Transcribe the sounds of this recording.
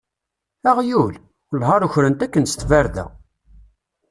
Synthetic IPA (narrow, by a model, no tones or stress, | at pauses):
æʁjul | lɦɑɾˤuçɾənt̪ækːənst̪væɾðæ̰